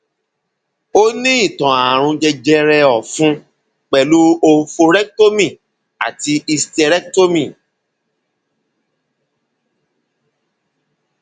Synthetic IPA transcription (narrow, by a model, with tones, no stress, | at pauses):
o˦nĩ˦i˦˨tɔ̃˨a˨ɾ̃ũ˧d͡ʒɛ˧d͡ʒɛ˧ɾɛ˧ɔ˨fũ˦ | k͡pɛ˨lu˨˦o˧˦fo˧ɾɛ˦k̚to˦mĩ˨ | a̰˨ti˧i˧stɛ˧ɾɛ˦kto˦mĩ˦˨